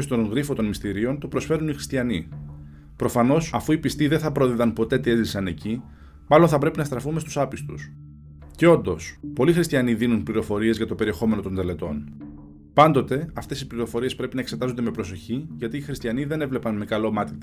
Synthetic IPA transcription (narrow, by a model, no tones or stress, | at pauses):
st̪o̞ŋɣɾifot̪o̞nmist̪iɾio̞nt̪o̞pɾo̞sfe̞ɾunixɾi̥st̪çɐni | pɾo̞fɐno̞sɐfuipist̪iðenθɐpɾo̞ðiðɐnpo̞t̪e̞t̪ie̞zisɐne̞ci | mɐlo̞nθɐpɾe̞pinɐst̪ɾɐfume̞st̪usɐpist̪us | ceo̞nd̪o̞spo̞lixɾist̪çɐniðinunpliɾo̞fo̞ɾie̞zʝɐt̪o̞pe̞ɾie̞xo̞me̞no̞t̪o̞nd̪ele̞t̪o̞n | pɐnd̪o̞t̪e̞ɐft̪e̞sipliɾo̞fo̞ɾiespɾe̞pinɐekse̞t̪ɐzond̪e̞mepɾo̞so̞çiʝɐt̪iːxɾist̪çɐniðe̞ne̞vle̞pɐnme̞kɐlo̞mɐt̪it̪i